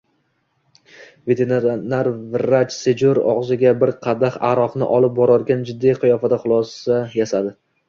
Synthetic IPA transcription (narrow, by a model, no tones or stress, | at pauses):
ve̞t̪ʰenɾanaɾvɾat͡ʃsed͡ʒoɾɒ̰ʁzɪɡʲabɪɾqʰɑd̪aχa̰ɾɒqnɪ̰ʔɒlˠɪp̚bɒɾɒɾɡʲand͡ʒɪd̪ːijqʰɨjɒfad̪aχʊlˠɒsajasad̪ɪ